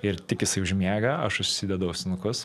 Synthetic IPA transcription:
ɪɾt̪ʲɪkjɪsɐɪʊʒʲmʲeːɡɐɐʃʊʃʲsʲɪd̪ʲɛd̪ɐʊsʲnʊkʊs

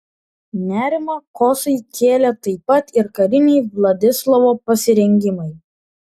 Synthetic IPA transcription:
nʲæːɾʲɪmɐkɔsɐɪkʲeːlʲɛt̪ɐɪpɐt̪ɪɾkɐɾʲɪnʲɛɪʋlˠɐd̪ʲɪslˠɐʋoːpɐsʲɪɾʲɛŋʲɡʲɪmɐɪ

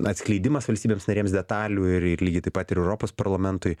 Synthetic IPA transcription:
ɐt̪sʲklʲɛɪd̪ʲɪmɐsʋɐlʲsʲt̪ʲiːbʲeːmsnɐɾʲeɛmsd̪ʲɛt̪ɑːlʲuːɪɾɪɾlʲiːɡʲɪt̪ɐɪpɐt̪ɪɾɛʊɾoːpoːspɐɾlˠɐmʲɛnt̪ʊɪ

